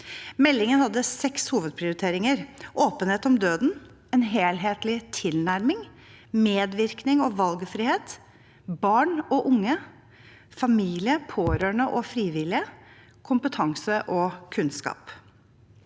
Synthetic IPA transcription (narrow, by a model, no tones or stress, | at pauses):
mɛlːɪŋənhɑd̪ːəsɛkshuːʋəd̪̚pʰɾɪʊɾɪt̪ʰeːɾɪŋəɾʔoːpənheːt̪ɔmd̪øːd̪n̩ | ɛnɦeːlɦeːt̪lɪt̪ʰɪlnæɾmɪŋ | meːd̪ʋɪɾknɪŋɔʋɑlɡfɾiːheːt̪ | bɑːɳɔʔʊŋːə | fɑmiːlɪəpʰoːɾøːɳəʔɔfɾiːʋɪlɪə | kʰʊmpət̪ʰɑŋsəʔɔkʰʉnskɑ̰ːp